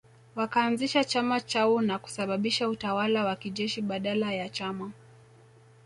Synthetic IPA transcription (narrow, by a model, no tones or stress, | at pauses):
wakaːnziʃat͡ʃamat͡ʃaunaku̥saɓaɓiʃautawalawakiʄɛʃiɓaɗalajat͡ʃama